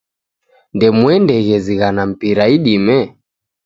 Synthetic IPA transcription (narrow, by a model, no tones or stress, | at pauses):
ndɛmwɛndɛɣɛziɣanam̩piɾaiɗimɛ